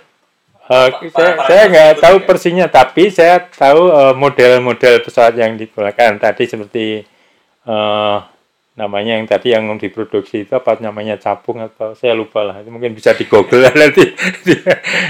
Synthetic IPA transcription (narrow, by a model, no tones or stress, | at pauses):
əsajasajaŋɡaʔt̪aupərsiɲat̪apisajat̪auəmodɛlmodɛlpəsawat̪jaŋdip̪ulakant̪adisəpərt̪i | əː | namaɲajŋt̪adijaŋdipɾod̥uk̚siːt̪uapat̪̚namaɲat͡ʃapʊŋat̪awsajalupahlahit̪umuŋkɪnbisadiɡ̥oɡ̥əladant̪idija